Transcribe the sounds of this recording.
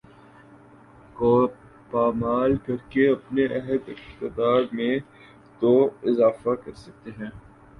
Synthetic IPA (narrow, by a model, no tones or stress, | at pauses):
koː | paːmaːlkɐɾkeɐpneʔɛɦəd̪ɪqt̪ɪd̪aːɾmẽ | t̪oɪzaːfakɐɾsɐk̚t̪eɦɛ̃ː